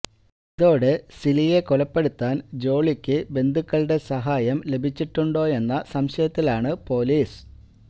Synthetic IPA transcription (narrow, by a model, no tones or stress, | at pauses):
iðo̞ːɽesilije̞kolɐpːe̞ɽut̪ːaːnd͡ʑo̞ːɭikʲːɨbe̞nd̪ʱukːɐɭɖe̞sɐɦaːjɐmle̞bʱit͡ɕːiʈːuɳɖo̞ːe̞nːɐsɐmɕɐjɐt̪ːilaːɳɨpo̞ːliːs